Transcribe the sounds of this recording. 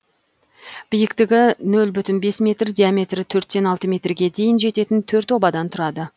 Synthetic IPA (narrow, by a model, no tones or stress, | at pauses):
b̥ɪjɪkt̪ɪɡʲɪnɵlbʏt̪ɪnbe̞smʲe̞t̪rd̪ijamʲe̞t̪rɪt̪ʰɵɾt̪se̞nɑlˠt̪əmʲe̞t̪rɡʲe̞d̪e̞jɪnʒe̞t̪e̞t̪ɪnt̪ʰɵɾt̪o̞bɑd̪ɑnt̪ʰʊɾɑd̪ə